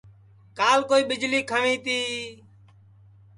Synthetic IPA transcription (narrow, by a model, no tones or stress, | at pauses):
kaːlkoːiːɓɪd͡ʒliːkʰəʋĩːt̪iː